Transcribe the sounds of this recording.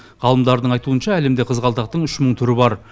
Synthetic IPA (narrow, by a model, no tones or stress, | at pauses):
ʁ̥ɑlˠəmd̪ɑɾd̪əɴɑjt̪uənʃɑæle̞md̪eqʰəzʁɑlˠt̪ɑq̚t̪əɴʏʃməɴt̪ʰʏɾɪbɑɾ